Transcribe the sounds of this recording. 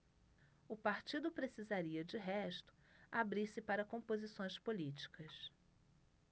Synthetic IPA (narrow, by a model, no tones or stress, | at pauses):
ʊpaɾt͡ʃid̪ʊpɾesizaɾiɐd͡ʒɪɦɛʃt̪ʊ̥abɾiɾsɪpaɾɐkõmpozisõj̃spolit͡ʃi̥kɐs